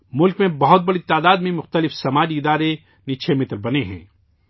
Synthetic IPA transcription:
mʊlkmẽbɐɦʊt̪̚bɐɽit̪aːd̪aːd̪mẽmʊxt̪əlɪfsɐmaːd͡ʒiɪd̪aːɾe | nɪt͡ʃʰemɪt̪ɾbɐneɦɛ̰̃ː

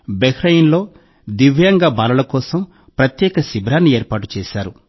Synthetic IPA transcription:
bekɾɐjinlo̞ː | d̪iʋjɐŋɡaːbaːlɐlɐkɔːsɐm | pɾɐt̪jɛːkɐsibɾaːnːieːɾpaːʈu̥t͡ʃɛːʃaːɾu

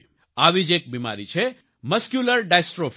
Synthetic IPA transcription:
aʋid͡ʒek̚bima̰ɾit͡ʃʰe | məskjuləɾɖajsʈɾof

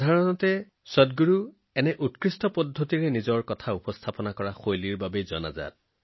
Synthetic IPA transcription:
dʱaɹɔnɔtɛ | sɔdɡuɹu | ɛnɛʔutkɹistɔpɔdʱːotiɹɛnizɔɹkɔtʰaupɔst̪ʰapɔnakɔɹaxojliɹbabezɔ̰na̰za̰t̚

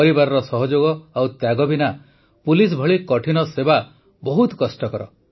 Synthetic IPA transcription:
ɔɾibaɾɔɾɔsɔɦɔd͡ʒoɡɔawt̪jaɡɔbina | pulis̬bʱɔɭikɔʈʰinɔseba | bɔɦut̪kɔsʈɔkɔɾɔ

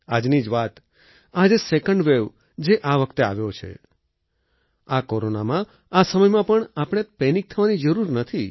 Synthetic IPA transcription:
ad͡ʒnid͡ʒʋat̪ | ad͡ʒesekəɳɖʋeʋ | d͡ʒeʔaʋəkʰt̪ea̰ʋjot͡ʃʰḛ | akoɾonamã | asəməjmãpəɳapəɽ̃epɛnik̚t̪ʰəʋanid͡ʒəɾuɾnət̪ʰi

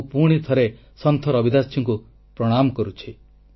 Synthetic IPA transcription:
puɽ̃it̪ʰɔɾe | sɔnt̪ʰɔɾɔbid̪asʰjɔŋku | pɾɔɽ̃amɔkɔɾut͡ʃʰi

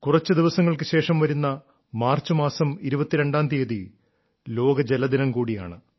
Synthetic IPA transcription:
kurɐt͡ɕːɨd̪iʋɐsɐŋːɐɭkɨɕe̞ːʂɐmʋɐɾunːɐ | maːrt͡ɕːɨmaːsɐmiɾubɐt̪ːiɾe̞ɳɖaːnd̪ijɐði | lo̞ːɡɐd͡ʑelɐd̪inɐmkuːɽija̰ːɳɨ

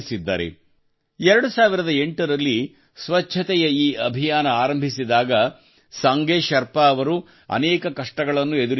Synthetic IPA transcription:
sid̪ːa̰ːɾḛ | ɛɾɐɽusaːʋiɾɐd̪ɐe̞ɳʈɐɾɐlːi | sʋɐt͡ʃʰɐt̪ɛjɐiːɐbʱijaːnɐaːɾɐmbʱisid̪aːɡɐ | sɐŋɡeːʃɐɾpaːʋɐɾu | ɐ̰nɛːkɐkɐʂʈɐɡɐɭɐnːued̪uɾ

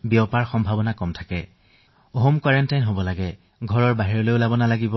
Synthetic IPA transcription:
biɔpaɹxɔmbʱabɔnakɔmtʰḁkɛ | oɦomkwaɹɛntajnɦobɔlaɡɛ | ɡʱɔɹɔɹbaɦiɹɔlojʊlabɔnalaɡibɔ

